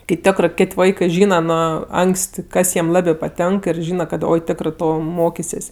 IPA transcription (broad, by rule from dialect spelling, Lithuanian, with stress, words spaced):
kɐɪ ˈtʲoːkrɜ ˈkʲeːtʲ ˈʋɐɪkɜ ˈʒʲiːnɐˈnʊ ˈɐŋksʲtʲ ˈkɐs jiɛm ˈlˠɑːbʲeː pɐˈtʲɛŋk ɪr ˈʒʲiːnɐ kɐt ˈoːɪ ˈtʲæːkrɜ ˈtoː ˈmoːkʲɪsʲeːsʲ